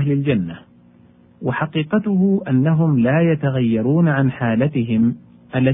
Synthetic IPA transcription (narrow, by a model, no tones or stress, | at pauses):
hlɪld͡ʒanːa | waħaqiːqɑt̪ʊhʊʔanːaɦʊmlaːjat̪aɣajːɑɾˤuːnaʕanħaːlat̪ɪɦɪm | ʔalːa